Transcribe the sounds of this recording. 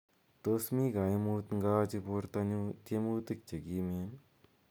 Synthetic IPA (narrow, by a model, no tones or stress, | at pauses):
t̪osmiːɡaimuːt̪ŋɡaːt͡ʃipuɾt̪ɐnut̪emuːt̪ik̚t͡ʃɐɡiːmen